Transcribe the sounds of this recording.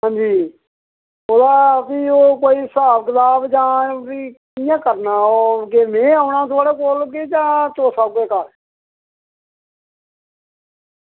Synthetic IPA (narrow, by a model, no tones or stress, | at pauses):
ɦãːɲd͡ʒiː | oːd̪aːpiːoːkoːiːsaːbkɪt̪aːbd͡ʒãːiːkɪjãːkəɾnaːoːkemẽːaːʊɳãːt̪ʊaːɽeːkoːlked͡ʒãːt̪oːsaːkeːkəɾ